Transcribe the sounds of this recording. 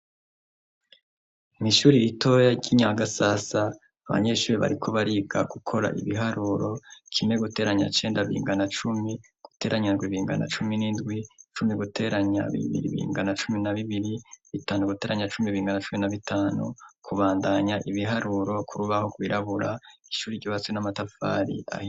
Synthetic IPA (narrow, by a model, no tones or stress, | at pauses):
niʃuːɾiito̞jaɟiɲaɡasasa | aβa̰ɲe̞ːʃuːɾiβa̰ɾikʰo̞βaɾiːɡa̰ɡ̥ukʰo̞ɾa̰ʔḭβiɦaɾuːɾo̞kʰime̞ɡute̞ːɾaɲa̰t͡ʃe̞ːndaβiḭːŋɡanat͡ʃumi | ɡ̥u̥teːɾaɲanɡwiβiːŋɡa̰na̰t͡ʃuminindɡwit͡ʃumiɡutʰe̞ːɾaɲa̰βḭβḭɾḭβḭːŋɡanat͡ʃuminaβiβiɾiβitaːnuɡute̞ːɾaɲat͡ʃumiβiːŋɡanat͡ʃuminaβitʰaːnṵkʰuβaːndaɲaʔiβiɦaɾuːɾo̞kʰuɾuβaho̞ɡwiːɾaβuɾai̥ʃuːɾiɟoβaswenamatafa̰ːɾḭa̰hi